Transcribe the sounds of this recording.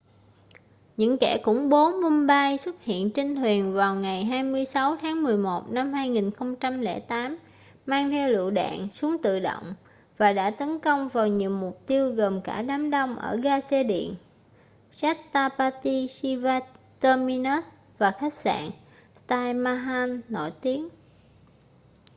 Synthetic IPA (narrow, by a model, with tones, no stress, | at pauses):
ɲɨ̰˧˥ŋkɛ˧˩kʊ̰˧˥ŋ͡mɓo˨˦mu˧nɓa˧jswə˦˥t̚hḭ˧˨ənt͡ɕi˧ŋ̟t̪ʰwi˨˩ənvaː˨˩wŋa˨˩jɦaː˧jmɨ˧əjsa˨˦wt̪ʰaː˨˦ŋmɨ˨˩əjmo˨˩t̚na˧mhaː˧jŋi˨˩nxə˧wŋ͡mt͡ɕa˧mlɛ̰˧˩t̪aː˨˦m | maː˧ŋt̪ʰɛ˧wlɨ̰˧˨ɗa̰ː˧˨nsu˨˦əŋt̪ɨ̰˧˨ɗo̰˧˨wŋ͡m | vaː˨˩ɗa̰ː˧˥t̪ə˨˦nkə˧wŋ͡mvaː˨˩wɲḭ˨əwmʊ˨˩k͡p̚t̪i˧əwɣə˨˩nkaː˧˩ɗaː˨˦mɗə˧wŋ͡mʔəː˧˩ɣaː˧se˧ɗḭ˧˨ən | sa˦˥k̚t̪aː˧paː˧t̪i˧si˧vaː˧ | t̪əː˧mi˧nə˦˥t̚ | vaː˨˩xa˦˥jk̚sa̰ː˧˨n | st̪aː˧jmaː˧ɦa˧nːɔ̰˧˩jt̪i˨˦ən